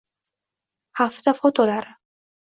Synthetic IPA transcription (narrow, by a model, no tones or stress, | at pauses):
haft̪afɔt̪ʰɔlaɾ